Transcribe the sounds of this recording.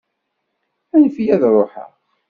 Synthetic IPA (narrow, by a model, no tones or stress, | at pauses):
ænəfjæðɾˤoħa̰